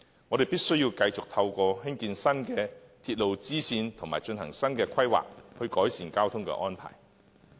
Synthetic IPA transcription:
ŋɔː˨˧ɾe˨˩piː˥t̚sɵ˥ɥjiː˧wkɐ˧jt͡sʊ˨k̚t̪ʰɐ˧wkʷɔː˧ɦɪ˥ŋkiː˧nsɐ˥nkɛː˧t̪ʰiː˧t̚lo˨wt͡siː˥siː˧nt̪ʰʊ˨˩maː˨jt͡ʃɵ˧nhɐ˨˩ŋsɐ˥nkɛː˧kʷʰɐ˥jwa̰ː˨k̚hɵ˧ɥkɔː˨˥jsiː˨nkaː˥wt̪ʰʊ˥ŋkɛ̰˧ʔɔː˥npʰa̰ː˨˩j

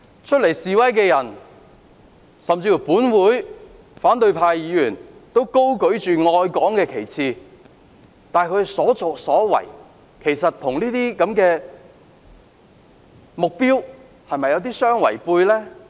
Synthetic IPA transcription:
t͡ʃʰɵ˥t̚le˨˩jsiː˨˧wɐ˥jkɛː˧jɐ˨˩n | sɐ˨mt͡siː˧fu˨˩puː˨˥nwuː˨˥j | faː˨˥nt̪ɵ˧ɥpʰaː˧jjiː˨˧jyː˨˩nt̪o˥wko˥wkɵ˨˥ɥt͡ʃyː˨ŋɔː˧jkɔː˨˥ŋkɛː˧kʰe˨˩jt͡sʰiː˧ | t̪aː˨˧jkʰɵ˨˧sɔː˨˥t͡so˨ksɔː˨˥wɐ̰˨˩j | kʰe˨˩jsɐ˨t̪̚ʰʊ˨˩ŋliː˥t̪iː˥kɐ˨˥mkɛː˧ | mʊ˨k̚piː˥w | hɐ˨jmɐ˨jːɐ˨˧wt̪̬iː˥sœː˥ŋwɐ̰˨˩jpuː˧jlɛː˥

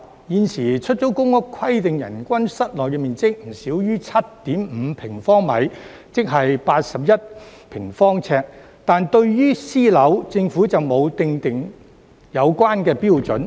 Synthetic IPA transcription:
jiː˨˧nsiː˨˩t͡ʃʰɵ˥t̚t͡so˨˥wkʊ˥ŋʊ˥kʷʰwɐ˥jt̪ɪ˨ŋjɐ̰˨˩nkʷɐ˥nsɐ˥t̚lɔː˨jkɛ˧miː˨nt͡sɪ˥k̚m̩˨˩siː˨˥wjyː˥t͡sʰɐ˥t̚t̪iː˨˥mm̩˨˧pʰɪ˨˩ŋfɔː˥ŋmɐ̰˨˥j | t͡sɪ˥k̚ɦɐ˨jpaː˧t̚sɐ˨p̚jɐ˥t̚ | pʰɪ˨˩ŋfɔː˥ŋt͡sʰɛː˧k̚ | t̪aː˨nt̪ɵ˧ɥjyː˥siː˥lɐ˨˥wt͡sɪ˧ŋfuː˨˥t͡sɐ˨wmo˨˧wt̪ɪ˧ŋt̪ɪ˨ŋ | jɐ˨˧wkʷaː˥nkɛː˧piː˥wt͡sɵ˨˥n

